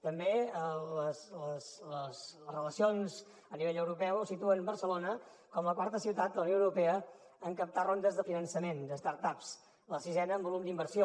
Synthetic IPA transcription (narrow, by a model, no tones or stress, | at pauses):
t̪əmbeələsləsləzləzrələsionz | əniβeʎəwɾupɛwusit̪uənbəɾsəlonəkɔmləkwaɾt̪əsiwt̪at̪̚ələunjoəwɾupɛə | əŋkəp̚t̪arond̪əzðəfinənsəmend̪əst̪aɾt̪aps | ləsizɛnəːmbulumd̪imbəɾsio